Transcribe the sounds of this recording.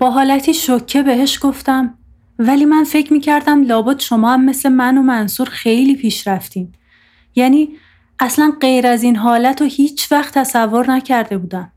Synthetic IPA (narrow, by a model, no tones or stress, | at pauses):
b̥ɒːɦɒːlæt̪ʰiːʃocʰːe̞be̞ɦe̞ʃɡ̥o̞ft̪æm | væliːmænfe̞cʰmiːcʰæɾd̪æmlɒːbud̪ʃo̞mɒːæmːe̞sle̞mænomænsuːɾxe̞jliːpʰiːʃɾæft̪iːn | jæːniː | ʔæslænɢe̞jɾæziːnɦɒːlæt̪ʰohiːt͡ʃʰvæxt̪ʰːæsævːo̞ɾnæcʰæɾd̪e̞buːd̪æm